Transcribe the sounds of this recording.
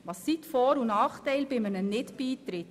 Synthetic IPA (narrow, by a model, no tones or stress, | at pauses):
ʋɑsːitfɔːɾunɑːχtɛɪlbɪmənənɪtbiːt̪ɾɪt